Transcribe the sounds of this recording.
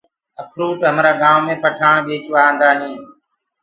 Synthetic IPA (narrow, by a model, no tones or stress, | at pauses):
əkʰɾuːʈɦəmɾaːɡaːmmẽːpəʈʰaːɳ̃ɓeːt͡ʃʋaːə̃nd̪aːɦĩː